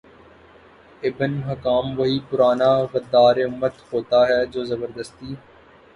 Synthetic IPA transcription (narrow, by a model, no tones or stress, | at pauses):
ɪbnɦɐkaːmʋɐɦipʊɾaːnaɣɐd̪ːaːɾeʊmːət̪hoːt̪aɦɛd͡ʒoːzɐbəɾd̪əst̪iː